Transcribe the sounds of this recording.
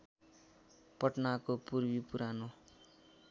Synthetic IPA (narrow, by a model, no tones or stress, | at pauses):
pʌʈnakopurbipuɾʔano